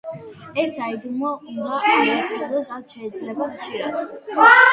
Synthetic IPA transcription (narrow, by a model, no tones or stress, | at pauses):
ɛsaid̪mɔind̪aaasid̪ɔsɾat̪ʃɛːd̪zlɛbaχtt͡ʃʰʼiɾat̪ʰ